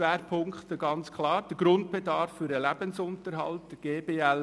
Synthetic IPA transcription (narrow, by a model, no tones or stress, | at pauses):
ɛːɾpʰʊŋktəɡɑnt͡skʰlɑːɾd̥əɡ̥ɾʊntb̥edɑɾfːʏɾdəlæb̥ənsʊntəɾɦɑ̰lt̚d̥əɡ̥eːbeːɛl